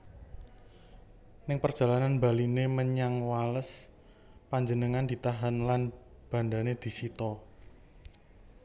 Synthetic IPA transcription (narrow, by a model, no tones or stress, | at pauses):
nɪŋpərd̥ʒ̥a̤lananba̤lineməɲaŋwaləs | paɲd͡ʒənəŋand̪̥i̤t̪aɦanlan | b̥ä̤nd̪aned̪̥i̤sit̪ɔ